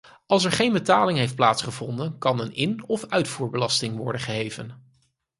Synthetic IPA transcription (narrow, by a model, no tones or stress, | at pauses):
ɑlˠs̬ɛɹχejnbətaːlɪŋɦejft̚plaːtsχəvɔndənkɑnənɪnɔfœɥtfuːɹbəlɑstɪŋʋɔ̰ɹdəχəɦejvə̰n